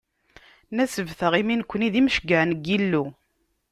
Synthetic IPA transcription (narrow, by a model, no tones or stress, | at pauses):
næsəvθəʁiminkʷːəniðimʃəɡəʕnəɡilːu